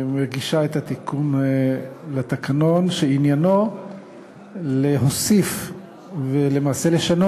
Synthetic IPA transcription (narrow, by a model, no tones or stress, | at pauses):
maʁɡiʃaet̪at̪ikun | lat̪akʰano̞nʃeinjano̞ | leɦosif | vele̞maːse̞le̞ʃano